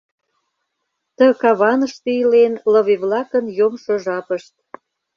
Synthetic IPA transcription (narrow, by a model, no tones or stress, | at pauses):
t̪əkɑβɑnəʃt̪eilenlə̆βeβlɑkənjomʃoʒɑpəʃt̪̚